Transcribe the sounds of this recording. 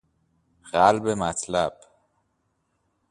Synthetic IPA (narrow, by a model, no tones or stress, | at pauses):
ɣælbemæt̪ʰlæb̥